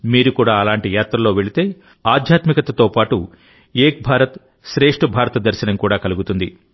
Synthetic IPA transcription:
miːɾukuːɽaːɐlaːɳʈijaːt̪ɾɐlo̞ːʋe̞ɭit̪e̞ː | aːd̪ʱjaːt̪mikɐt̪ɐt̪o̞ːpaːʈu | eːk̚bʱaːɾɐt̪ | ʃɾeːʂʈɐbʱaːɾɐt̪ɐd̪ɐɾʃɐnɐmkuːɽaːkɐluɡut̪und̪i

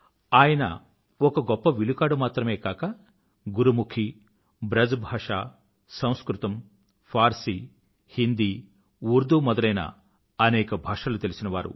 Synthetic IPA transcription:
aːjɐnɐ̰ | ɔkɐɡɔpːɐʋilukaːɽumaːt̪ɾɐme̞ːkaːkɐ | ɡuɾumukʰi | bɾɐd͡ʒbʱaːʂaː | sɐ̃w̃skɾut̪ɐm | pʰaːɾsi | hind̪i | uɾd̪umɔd̪ɐlɐjnɐ̰ | ɐnɛːkɐbʱaːʂaːlut̪e̞lisinɐʋaːɾṵ

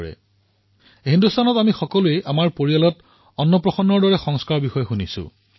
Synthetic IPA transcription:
ɛ̰ | hindustʰanɔtamixɔkɔlueʔamaɹpoɹijalɔt | ɔnːɔpɹɔxɔnːɔɹdɔɹɛxɔŋskaɹɔbixɔjɔxunisʊ̰

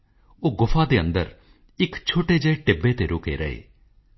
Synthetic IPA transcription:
oːɡʊfʰaːd̪eːənd̪ə̰ɾ | ɪkt͡ʃʰoːʈeːd͡ʒəeʈɪbeːt̪eːɾʊkḛːɾəḛː

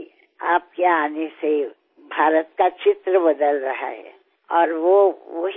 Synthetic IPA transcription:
aːp̚keaːnese | bʱaːɾət̪kat͡ʃɪt̪ɾəbɐd̪əlɾɐɦa̰ɦɛ̰ː | ɔːɾʋoʋəɦ

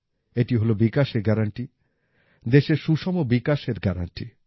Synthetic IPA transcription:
eʈiɦolobikaʃeɡɛɾaɳʈi | d̪eʃeɾʃuʃɔmobikaʃeɾɡɛɾa̰ɳʈi

